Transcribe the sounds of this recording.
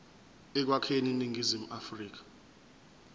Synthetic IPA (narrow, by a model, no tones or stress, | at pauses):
ɛk̬wakʰeniniŋɡizim̩afriːk̬ḁ